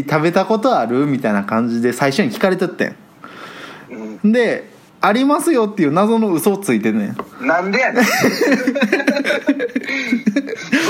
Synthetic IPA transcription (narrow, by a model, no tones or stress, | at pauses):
t̪abe̞t̪ako̞t̪o̞aɾɯ̟mʲit̪ainakãɲ̟d͡ʑid̪e̞saiɕo̞ɲ̟ikʲi̥kaɾe̞t̪et̪ːḛ̃ | nd̪e̞ | aɾʲimasɨjo̞t̪ːe̞jɯ̟ːnazo̞no̞ɯ̟so̞ːt͡sɨit̪e̞t̪ḛ̃a